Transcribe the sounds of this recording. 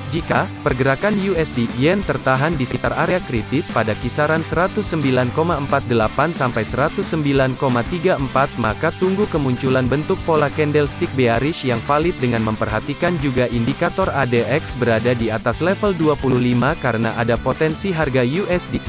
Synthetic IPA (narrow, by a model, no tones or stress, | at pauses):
d͡ʒikapərɡəɾakanjuɛsdiiɛnt̪ərt̪aɦandisəkit̪araɾeakɾit̪ɪspadakisaɾansəɾat̪ʊsːəmbilankomaəmpat̪̚dəlapansampajsəɾat̪usːəmbilankomat̪iɡaəmpat̪̚makat̪uŋɡukəmuɲt͡ʃulanbənt̪ʊk̚polakɛndɛlst̪ik̚beaɾɪʃjaŋfalɪt̪̚dəŋanməmpərɦat̪ikand͡ʒuɡaʔindikat̪ɔradeʔɛksbəɾadadiat̪aslɛfəlduapuluhlimakaɾəna̰ʔadapot̪ɛnsiɦarɡajuʔɛsdi